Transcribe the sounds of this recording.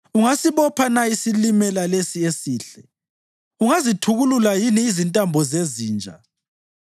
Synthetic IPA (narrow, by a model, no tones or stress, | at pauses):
uŋasiβɔpʰanaisilimɛlalesiesiːɬɛ | uŋazitʰuɣululajiniːzintʼambʱɔzeziːnd͡ʒʱa̰